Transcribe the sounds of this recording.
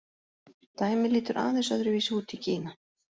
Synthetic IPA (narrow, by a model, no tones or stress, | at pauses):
t̪aːjmɪliːt̪ʏɾʔa̰ːðɛnsaðɾʏviːsɪuːt̪icʰiːna